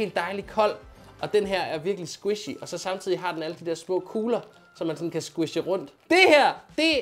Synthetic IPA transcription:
e̝̰ːld̥ːɑ̈ɪlikʰɒ̽l̰ | ɒ̽d̥enɦæɐ̰æɐʋiɐɡ̥əlisɡ̥wiɕiʔɒ̽sɒ̽sɑ̈mt͡sʰið̞̰ˠiɦɑ̈d̥enæləd̥id̥ɛɐ̰smɔ̰̽ːkʰuːlɐ | sɒ̽mːænsɒ̽n̩kʰæsɡ̥wiɕəʁɔ̽n̰d̥d̥e̝hæɐ̰d̥e̝

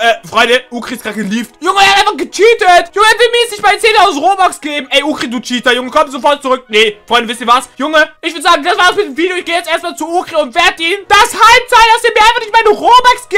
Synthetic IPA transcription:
ʔɛːfʁ̥ɔʏndəʔuːkʁ̥istɡ̥ʁaːt̚ɡ̥əliːftjʊŋəɛːɐhatʔaɪnfaχɡ̥ətʰyːtətjʊŋəɛɐvɪlmiɐjɛt͡snɪçtm̥aɪnt͡seːntaʊznʁoːbaksɡ̥eːbm̩ɛɪʔuːkʁ̥iduːtʰiːtajʊŋəkʰɔmtz̥ofɔɐt̚t͡suʁʏk̚nefʁɔʏndəvɪsniːɐvasjʊŋəʔɪçv̥ʏʊdəzaːɡŋ̩d̥asv̥aːdasmɪtdemviːdjoɪçɡ̥eːəjɛt͡stʔeːɐstmaːlt͡suuːkʁ̥eʊntv̥ɛɐtiːnd̥ashaɪp̚tt͡saɪd̥asiɐmiːɐʔaɪnfaχnɪçtmaɪnəʁoːbaksɡ̥i

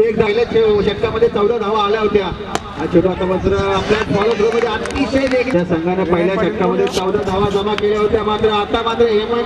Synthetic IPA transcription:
ekd̪ʱaɦiljat͡ɕeɕəkːaməd̪ʱːjet͡səwd̪ʱad̪ʱaʋaːljaɦot̪ja | at͡ɕuʈat̪abəd͡zɾəapljaɔlət̪ɾoməd̪ʱːeaʈnised̪ekjasəŋɡanapəɦiljaɕəkːaməd̪ʱːjet͡səwd̪ʱad̪ʱaʋad͡zəmakeljaɦot̪jamat̪ɾəat̪amat̪ɾəɦemə

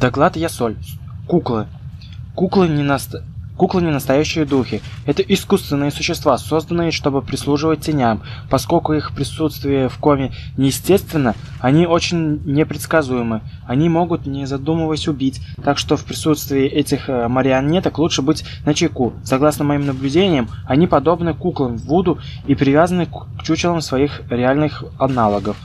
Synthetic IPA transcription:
d̪ɐɡlˠat̪jasolʲkuklˠɨ | kuklˠɨ | kuklˠɨnʲɪnəst̪ɐjæɕːɪjəd̪uxʲɪɛt̪əʔɪskust̪vʲɪnːɨjəsʊɕːɪst̪vaso̞zd̪ənːɨjəʂt̪o̞bɨpɾʲɪslˠuʐɨvət̚ʲtʲːɪnʲampɐsko̞lʲkʊixpɾʲɪsut̪st̪vʲɪjəfko̞mʲɪnʲɪjɪsʲtʲe̞st̪vʲɪnːə | ɐnʲio̞t͡ɕɪnʲnʲɪpɾʲɪt̪skɐzujɪmɨ | ɐnʲimo̞ɡʊt̪nʲɪzɐd̪uməvəsʲʊbʲitʲt̪akʂt̪ofpɾʲɪsut̪st̪vʲɪːʔɛtʲɪxməɾʲɪɐnʲet̪əklˠut͡ʂʂɨbɨtʲ | nət͡ɕɪkusɐɡlˠasnəmɐimnəblʲʉdʲenʲɪjəmɐnʲipɐd̪o̞bnɨkuklˠəmvːud̪ʊ | ipɾʲɪvʲazənɨkt͡ɕut͡ɕɪlˠəmsvɐixɾʲɪalʲnɨxɐnalˠəɡəf

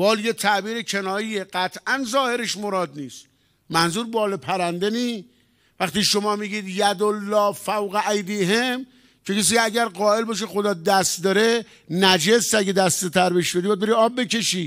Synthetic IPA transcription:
bɒːljet̪ʰæʔbiːɾekʰenɒːjiːjeɢæt̪ʰʔænzɒːhe̞ɾeʃmoɾɒːd̪niːst̪ | mænzuːɾbɒːlepʰæɾænd̪eniː | væxt̪iːʃomɒːmiːɡiːd̪jæd̪olːɒːfæwɣeʔæjd̪iːɦem | cʰekes̬iːæɟæɾɢɒːe̞lbɒːʃ̬exod̪ɒːd̪æst̪d̪ɒɾe̞ | næd͡ʒesæɡʲed̪æst̪et̪ʰæɾbeʃbed̪ibæd̪beɾiɒːb̚ːe̞ke̞ʃiː

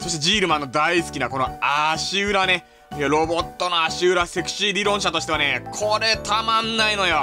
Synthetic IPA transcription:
so̞ɕi̥t̪e̞d͡ʑiːɾɯ̟mãnːo̞d̪aisɨ̥kʲinako̞no̞̰aɕiɯɾane̞ | joɾo̞bo̞t̪ːo̞noaɕiɯɾase̞kɯ̟̥ɕiɾʲiɾõ̞ɰ̃ɕat̪o̞ɕi̥t̪eanekʰo̞ɾe̞t̪amãnːaino̞jo

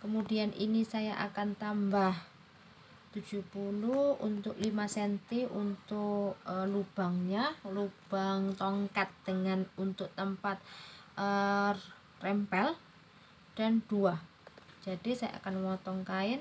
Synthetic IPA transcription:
kəmudianʔḭnisajaʔa̰kant̪ambah | t̪ud̥d͡ʒ̥upuluhṵnt̪ʊk̚limasɛnt̪iʔunt̪ʊklub̥a̤ŋɲalub̥aŋt̪ɔŋkat̪̚d̥əŋanunt̪ʊk̚t̪əmpat̪̚ə | rɛmpɛl | d̥a̤nd̥uḁ | d͡ʒ̥adisaja̰a̰kanwɔt̪ɔŋkaɪn

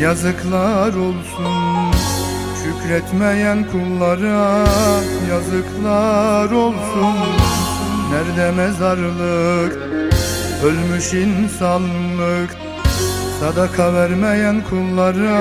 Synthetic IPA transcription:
jazɯkʰlˠaɾo̞lˠsun | ʃycɾɛt̪mɛjænkʰulˠːaɾɯ | jazɯkʰlˠaɾolˠsunː | æɾd̪ɛmɛzaɾlˠɯk | ølʲmyʃinsanlˠɯk | sad̪akʰavæɾmejænkʰulˠːaɾɯ

